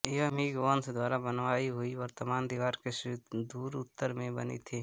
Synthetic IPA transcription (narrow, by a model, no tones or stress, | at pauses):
eʋəmiɡoːnsd̪waːɾabənʋaːiɦʊiʋəɾt̪əmaːnd̪ɪʋaːɾkeʃd̪uːɾʊt̪ːəɾmẽbə̰nḭt̪ʰiː